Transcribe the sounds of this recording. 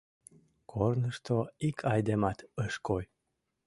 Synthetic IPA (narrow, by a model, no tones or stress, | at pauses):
kʰornəʃt̪oikʰɑjd̪emɑt̪əʃkoj